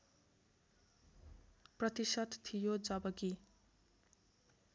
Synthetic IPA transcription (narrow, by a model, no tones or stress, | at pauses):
prʌt̪isʌd̪t̪ʰːijod͡zʌbʌki